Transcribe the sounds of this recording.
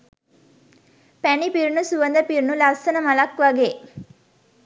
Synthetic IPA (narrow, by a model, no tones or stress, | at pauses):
pænipiɾnusuʋənd̪əpiɾnulasənəmɐlɐkʋaɡeː